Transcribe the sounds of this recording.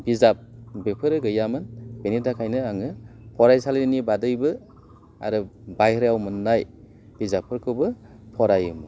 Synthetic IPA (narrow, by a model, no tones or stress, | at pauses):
bizap̚bepʰɯɾɯɡɯjamɯnb̥enidakʰajnɯaŋɯpʰɔɾajsalnibadɯjbɯ | a̰ɾɯbajɾjawmɯnːaj | b̥izap̚ʰːɯɾkʰɯwbɯ | pʰɔɾajɯmɯ